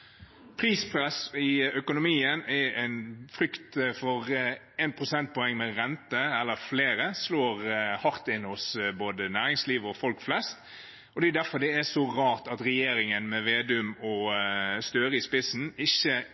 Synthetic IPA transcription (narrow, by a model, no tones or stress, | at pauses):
pʰɾiːspʰɾɛsɪœkʊnʊmiːənɛɛɪnfɾʏkt̪fɔɾ | ɛːnpʰɾʊsɛnt̪̚pʰɔɛŋːmɛɾɛnt̪əɛlːəɾfleːɾəsloːɾhɑɾt̪ɪnːhɔsboːd̪ənæːɾɪŋsliːʋɔfɔlkflɛst̪ | ɔd̪ɛʉd̪æɾfɔɾd̪ɛɛsɔʁɑːʁt̪ɑt̪ɾɛjeːɾɪŋənmɛʋeːd̪ʉmɔst̪øːɾəɪspɪsn̩ɪçːə